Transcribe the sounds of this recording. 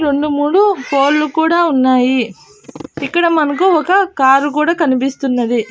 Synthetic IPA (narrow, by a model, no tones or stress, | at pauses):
ɾe̞ɳɖumuːɽupo̞ːllukuːɽaːunːaːji | ikːɐɽɐmɐnɐk̬uɔkɐkaːɾuk̬uːɽaːkɐnipist̪unːɐd̪i